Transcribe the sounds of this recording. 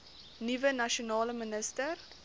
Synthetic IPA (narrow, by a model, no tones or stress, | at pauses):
nivənɐʃonɑːləmənəstər